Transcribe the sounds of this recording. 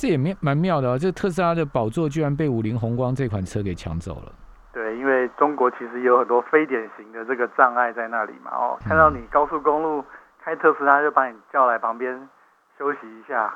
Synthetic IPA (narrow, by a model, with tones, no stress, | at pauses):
ʈ͡ʂɤ˥˩jɛ˨˩m˥˨ma˧˦nmjɑ˥˩ʊd̪ə˩a˨˩t͡sə˥˩ɡə˩t̪ʰɤ˥˨s̬ɹ̩˥a˥d̪ə˨pɑ˨˩ʊt͡swɔ˥˨t͡ɕy˥ɻa˧˦np̬e˥˩ɪu˨˩li˧˥ŋxʊ˧˥ŋkwɑ˥ŋt͡sɤ˥˧i˥kʰwa˨˩nt͡sʰɤ˥ke˨˩ɪt͡ɕʰjɑ̰˧˥ŋt͡so̰˨˩ʊlə̰˩ | t̪we˥˩ɪi˦˥nwe˥˩ɪʈ͡ʂʊ˥ŋkwɔ˧˥t͡ɕʰi˧˥ʂɻ̩˧˦jo˧˥ʊxə˨˩nt̪wɔ˥fe˥ɪt̪jɛ˨˩nɕi˧˦ŋd̪ə˨ʈ͡ʂɤ˥˩ɡə˩ʈ͡ʂɑ˥˧ŋa˥˧ɪt͡sa˥˧ɪna˥˩lḭ˨˩ma̰˨ɔ̰˨˩kʰa˥˧nd̪ɑ˥˩ʊni˨˩kɑ˥ʊsu˥˩kʊ˥ŋlu˥˩ | kʰa˥ɪt̪ʰɤ˥˨sɹ̩˥a˥t͡ɕjo˥˩ʊpa˧˥ni˨˩t͡ɕjɑ˥˩ʊla˧˥ɪpʰɑ˧˥ŋpjɛ˦˥n | ɕjo˥ʊɕi˧i˧˦ɕja˥˩